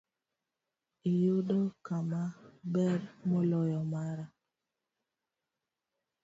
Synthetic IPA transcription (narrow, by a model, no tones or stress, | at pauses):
ijodɔkamabɛɾmolɔjɔmaɾa